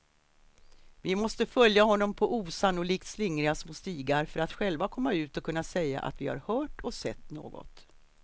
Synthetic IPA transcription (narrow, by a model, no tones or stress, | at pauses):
vɪmɔst̪əfœljahɔnːɔmpʰɔʔuːsanːʊliːk̚t̪slɪŋɾɪasmʊst̪iːɡaɾfœɾat̪ɧɛlvakʰɔmːaʉ̟ːt̪ɔkʰɵnːasɛjːa̰ʔa̰t̪vɪha̰ɾhœːʈɔsɛt̪ːno̰ːɡɔ̰t̪